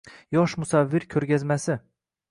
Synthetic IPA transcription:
jɒʃmʊsavːɪɾkʲʰɵɾɡʲazmasɪ

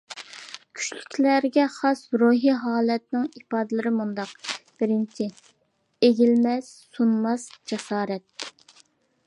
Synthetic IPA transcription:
kʲʰy̥t͡ʃlykʲlæɾɡʲɛχɑsɾoɦiɦɑːlˠɛt̪̚nɪŋipɑːd̪ɨlɨɾɪmund̪ɑq̚b̥ɪɾɪnt͡ʃʰi | eɡʲilmɛz̥sunmɑsd͡ʒɛsɑːɾɛt̪̚

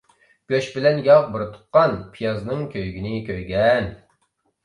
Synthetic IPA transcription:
ɡ̥ʲøʃbɪlɛnjɑʁbuɾɨt̪ʰʊ̥qqːɑnpʰijɑznɨŋkʲøjɡʲinɪkʲʰøjɡʲɛn

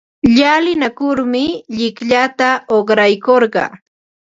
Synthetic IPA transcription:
ʎalɪnakʊɾmɪʎɪkʎat̪aoχɾajkoɾɢɑ̰

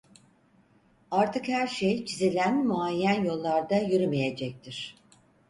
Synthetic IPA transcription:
aɾt̪ʰɯkhæɾʃejt͡ʃʰizilʲænmuajːænjo̞lˠːaɾd̪ajyɾymejed͡ʒɛc̚t̪ʰiɾ̝̥

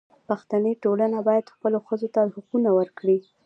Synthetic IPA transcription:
paxt̪anəʈolanabɑjad̪xpəloxəzot̪ahʊqunawəɾkɽi

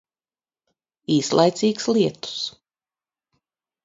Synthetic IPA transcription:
iːslˠa̰jt̪siːkslˠiɛt̪u̥s

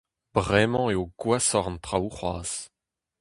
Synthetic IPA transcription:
b̥ʁɛmɑ̃eoɡwasɔʁnt̪χauχwa̰ːz̥

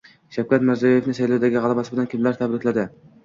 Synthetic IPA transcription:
ʃawkʰʲat̪mɪɾzajoje̞fnɪsajlowd̪aɡʲɪʁɑlˠɑbasɪbɪd̪ankʲʰɪmlaɾt̪ʰabɾɪkʲlad̪ɪ

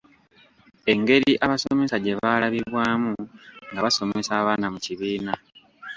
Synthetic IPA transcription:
e̞ŋɡe̞ɾiʔaβasome̞saɟe̞βaːlaβiβwaːmuŋɡaβaso̞me̞saːβaːnamuciβiːna

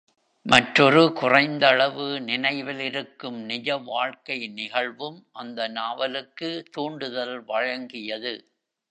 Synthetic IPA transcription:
mɐʈrɔɾɯkʊrɐɪnd̪ɐɭɐʋɯnɪnɐɪʋɪlɪɾɯkːɯmnɪd͡ʒɐʋaːɻkɐɪnɪɣɐɭʋɯmʔɐnd̪ɐnaːʋɐlɯkːɯt̪uːɳɖɯðɐlʋɐɻɐŋɡɪjɐðɯ

